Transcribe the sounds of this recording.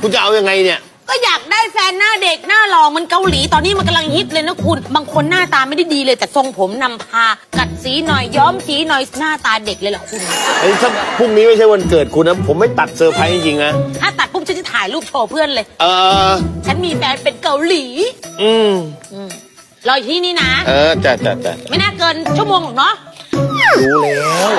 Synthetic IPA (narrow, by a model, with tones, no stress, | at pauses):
kʰu˧nt͡ɕa˨ʔa˧wja˧ŋa˧jni˧˩ɐ | kɔː˥˩jaː˨˩k̚daː˥˩jfɛː˧nːaː˥˩de˨˩k̚naː˥˩lɔː˧˩ŋma˧nka˧wliː˩˦t̪ɔː˧nːiː˦˥m˧nka˧mla˧ŋhe˦˥t̪̚lɤː˧jnɔ˦˥kʰu˧nbaː˧ŋkʰo˧nːaː˥˩t̪aː˧ma˥˩jda˥˩jdiː˧lɤː˧jt̪ɛː˨˩so˧ŋpʰo˩˦mna˧mpʰaː˧ka˨˩t̪̚siː˨˦nɔ˨˩jːɔː˦˥msiː˨˩˦nɔ˨˩jnaː˥˩t̪aː˧de˨˩k̚lɤː˧jlɔ̰˨˩kʰu˧na˧ʔt̪ʰa˥˩pʰuː˥˩mniː˦˥ma˥˩jt͡ɕʰa˥˩wa˧nkɤː˨˩t̪̚kʰu˧nːa˦˥pʰo˩˦mːa˥˩jt̪a˨˩t̪̚sɤː˧pʰaː˧t͡ɕi˧ŋt͡ɕi˧ŋna˦˥t̪ʰaː˥˩t̪a˨˩t̪̚pʰu˥˩ŋʰt͡ɕa˦˥t͡ɕʰːa˥˩t̪ʰaː˨˩˦jluː˥˩p̚t͡ɕʰoː˧pʰɯ˥˩ənlɤː˧jʔɤː˧t͡ɕʰa˦˥nmiː˧fɛː˧npe˧nka˧˩wliː˩˦ʔɯː˧˩mʔɯː˧˩m | lɔː˧jt̪ʰiː˦˥niː˦˥na˦˥ʔɤː˧t͡ɕa˨˩t͡ɕa˨˩t͡ɕa̰˨˩ma˥˩jnaː˥˩kɤː˧nt͡ɕʰu˥˩əmoː˧ŋ̚˨˩nɔ˦˥ʔ | uː˧˩lɔ˧˦˥ŋ